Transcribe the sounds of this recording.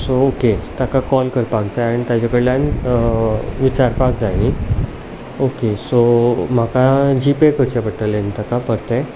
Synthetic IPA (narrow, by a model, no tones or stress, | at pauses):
sooket̪akakɔlkəɾpakd͡zajaɽit̪ad͡ʑakəɽljãn | ʋit͡ɕaɾpakd͡zajni | okesom̤akad͡ʑipekəɾt͡ɕapəʈ̪əlẽnt̪akapəɾt̪ẽ